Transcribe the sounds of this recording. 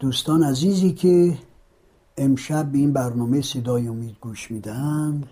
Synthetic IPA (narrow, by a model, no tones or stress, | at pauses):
d̪̥uːst̪ɒːnæziːziːkʲʰe | emʃæb̚ːeiːnbæɾnɒːmesed̪ɒːjomiːd̪ɡuːʃmiːd̪æhænd̪